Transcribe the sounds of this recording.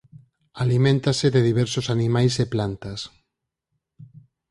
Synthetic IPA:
alimẽnt̪aseðeðiβ̞eɾsosanimajzeplant̪as

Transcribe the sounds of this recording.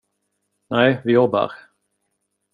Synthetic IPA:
nɛjvɪjɔbːa̰ɾ

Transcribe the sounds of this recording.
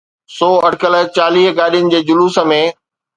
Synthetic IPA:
sɔːɐʈkələt͡ɕaːliːɦkaːɗijʊnɪ̆d͡ʑeːd͡ʑʊluːsə̆mẽ

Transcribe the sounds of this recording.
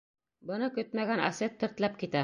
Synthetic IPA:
bɤ̆nɤkɵt̪mæɡæna̰set̪ːɘ̆ɾt̪læp̚kit̪æ

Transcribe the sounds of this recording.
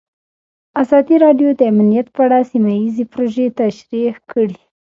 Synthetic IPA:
azɑd̪iɾɑɖjod̪əamnijat̪pəaɽasimajizepɾoʒet̪aʃɾixkəɽi

